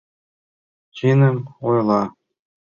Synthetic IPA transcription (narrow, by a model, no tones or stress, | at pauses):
t͡ɕinɘ̆mojlˠɑ